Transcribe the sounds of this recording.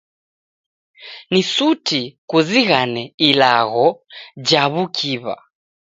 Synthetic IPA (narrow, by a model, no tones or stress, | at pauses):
nisutʰikuziɣanɛilaɣɔd͡ʒaβukʰiβa̰